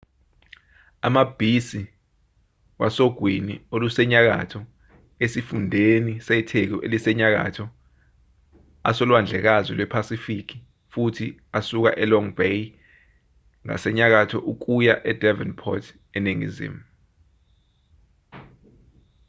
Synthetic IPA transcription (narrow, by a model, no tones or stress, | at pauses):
amab̥ʱisi | wasoɡ̥ʱwiniolusɛɲak̬a̰tʰɔ | esifundʱenisɛtʰek̬ɔʔelisɛɲak̬a̰tʰɔ | a̰sɔlwand͡ɮʱɛk̬azwɛlwɛpʰasifik̬i̥ | futʰiasuk̬a̰ʔɛlɔŋbej | ŋa̰sɛɲak̬atʰɔʔuk̬ujaʔɛdʱɛvɛnpʰɔtʰ | ɛneŋḭzḭmu